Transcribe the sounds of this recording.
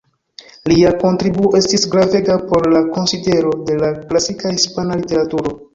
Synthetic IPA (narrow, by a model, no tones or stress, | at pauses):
liako̞ntɾibuoʔe̞stisɡɾave̞ɡapo̞ɾlako̞nside̞ɾo̞de̞laklasikahispanalite̞ɾatuɾo̞